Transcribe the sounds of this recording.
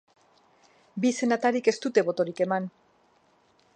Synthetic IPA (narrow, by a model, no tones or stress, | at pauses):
bise̞nat̪aɾike̞st̪ut̪e̞βo̞t̪o̞ɾike̞man